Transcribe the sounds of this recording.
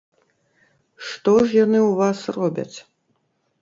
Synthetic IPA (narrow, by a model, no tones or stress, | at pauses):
ʂt̪ɔʐjanɨuvasrɔbʲɐ̰t͡sʲ